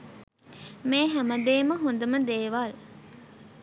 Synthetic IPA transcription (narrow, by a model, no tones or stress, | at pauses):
meːɦæməd̪eːməɦund̪əməd̪eːʋal